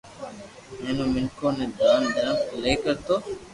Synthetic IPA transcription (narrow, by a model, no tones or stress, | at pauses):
mẽːnõːmɪŋkoːneːd̪ʱaːnd̪əɾəmleːkəɾt̪oː